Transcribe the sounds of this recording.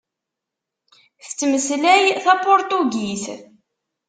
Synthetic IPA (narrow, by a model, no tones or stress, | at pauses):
θt͡sːməslæjθæpoɾt̪uɡis